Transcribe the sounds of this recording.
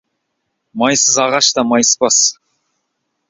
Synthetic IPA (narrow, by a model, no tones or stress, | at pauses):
mɑjsəzɑʁɑʃt̪ɑmɑjspɑs